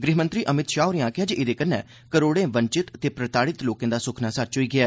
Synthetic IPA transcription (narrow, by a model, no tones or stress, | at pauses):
ɡɾiːmə̃nt̪ɾiːʔəmɪt̪ʃaːʊɾeãːkɪjaːd͡ʒʔɪd̪eːkənːɛ̰ː | kəɾoːɽẽːʋənt͡ʃɪt̪t̪eːpɾət̪aːɽɪt̪loːkẽːd̪aːsʊkʰnaːsət͡ʃoiːɡɪɛː